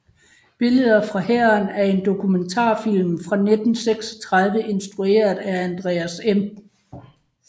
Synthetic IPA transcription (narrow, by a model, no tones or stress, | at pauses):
b̥e̝ləð̞ˠɐfʁɑ̈hæɐnæɐe̝nd̥o̝kʰument͡sʰɑ̰̈ːfil̰mfʁɑ̈ned̥n̩seɡ̥sɒ̥t͡sʰʁɑð̞ˠʋəʔe̝nsd̥ʁue̝̰ːɐðˠæænd̥ʁɛːæsem